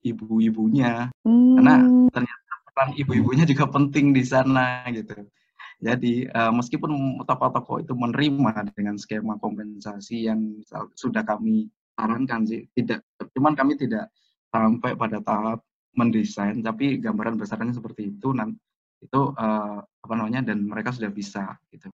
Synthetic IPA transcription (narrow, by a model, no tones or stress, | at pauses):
ʔibuibuɲakarnat̪ərɲat̪̚apəaŋibuibuɲad͡ʒuɡapənt̪ɪŋdisanaɡit̪u | d͡ʒadiəːməskipʊnt̪ɔkat̪okɔ̰ʔḭt̪umənɾimadəŋansə̥kemakɔmpɛnsasijaŋmisa̰lsudahkami | t̪aɾaŋkansɪht̪idaʔ̚t͡ʃumankamit̪idaʔ | sampajpadat̪aɦap̚ | məndisajnt̪apiɡambaɾanbəsaɾanɲas̬əpərt̪iːt̪unan | it̪uʔəapanamaɲadanməɾekas̬udahbisaɡ̥it̪u